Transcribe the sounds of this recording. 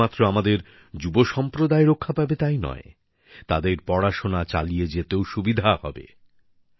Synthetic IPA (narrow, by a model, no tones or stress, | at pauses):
at̪ːɾoamad̪eɾ | d͡ʑuboʃɔmpɾod̪aeɾokʰːapabet̪ajnɔ̰e | t̪ad̪eɾpɔɽaʃonat͡ɕa̰lijed͡ʑet̪eoʃubid̪ʱahɔ̰bḛ